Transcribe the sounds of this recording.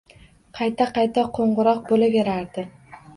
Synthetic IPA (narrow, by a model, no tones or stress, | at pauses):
qʰɑjt̪ʰaqɑjt̪ʰaqʰoɴʁʊɾɒq̚bolave̞ɾaɾd̪ɪ